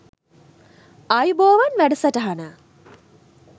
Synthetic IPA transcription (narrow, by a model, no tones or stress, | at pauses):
ajuboːʋanʋæɖəsɐʈəɦanə